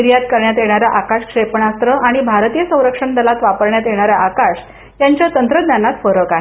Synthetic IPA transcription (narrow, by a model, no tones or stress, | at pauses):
ɾjat̪kəɾɳjat̪jeɽ̃aɾjaʔakaʂkʂepɳast̪ɾəaɽ̃ibʱaɾt̪ijəsə̃w̃ɾəkʂəɳd̪əlat̪ʋapəɾɳjat̪jeɽ̃aɾjaʔakaʂ | jaɲt͡ɕjat̪ənt̪ɾəd̪njanat̪fəɾəkaɦe